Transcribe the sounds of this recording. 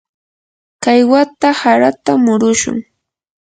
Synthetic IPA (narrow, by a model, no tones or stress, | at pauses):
kajwat̪ahaɾat̪amʊɾʊʃʊ̰ŋ